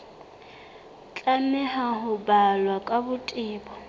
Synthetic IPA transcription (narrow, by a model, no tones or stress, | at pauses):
t͡ɬʼamɛɦaɦʊbalwakʼabʊtʼɪːbɔ